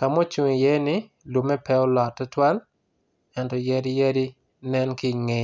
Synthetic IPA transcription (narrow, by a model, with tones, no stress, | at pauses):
ka˨mɔ˦t͡ʃu˨ŋe˨jɛ˦nɪ˦ | lo˨mɛ˦pɛ˦ɔ˦lɔ˨tːɛ˦twa˦l | ɛ˨ntɔ˨jɛ˦ɾɪ˦jɛ˦ɾɪ˦ | nɛ˦nkɪ˦ŋe˨